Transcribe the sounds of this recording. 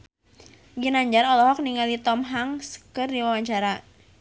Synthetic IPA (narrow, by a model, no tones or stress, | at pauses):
ɡinaɲd͡ʒaɾɔlɔɦɔk̚niŋalit̪ɔmɦaŋskərdiwawaɲt͡ʃaɾa